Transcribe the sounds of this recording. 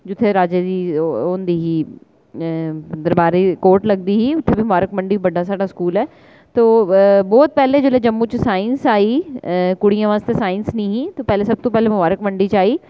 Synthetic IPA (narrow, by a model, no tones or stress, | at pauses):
d͡ʑʊt̪ʰeɾaːd͡ʒed͡ʑiːɦoːnd̪iːɦiː | d̪ɐɾbaːɾikoːɾʈlɐɡnd̪iɦiːʊt̪ʰːebɪmʊbaːɾəkmɐ̃ɳɖiʋɐɖʱasaːɖaskuːlɛː | t̪oːbɔːt̪̚pɛɦled͡ʑoːlaːd͡ʒɐmːut͡ɕɪsaːɪ̃nsaːikʊɽijãʋaːst̪esaːɪnsnĩɦĩt̪opɛɦlesɐb̚t̪õpɛɦlemʊbaːɾəkmɐ̃ɳɖit͡ʃaːiː